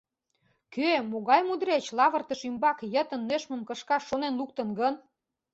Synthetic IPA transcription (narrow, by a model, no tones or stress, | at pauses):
kʰømoɣɑjmud̪ɾet͡ɕlɑβərt̪əʃymbɑkjət̪ə̆nːøʃmə̆mkə̆ʃkɑʃːonenluk̚t̪ə̆nɡən